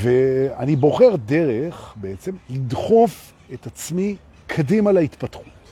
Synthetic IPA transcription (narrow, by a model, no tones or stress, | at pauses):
veanibo̞χeʁdeʁeχbe̞et͡se̞mlid̪χo̞f | e̞t̪at͡smi | kʰadimalait̪patχu̥t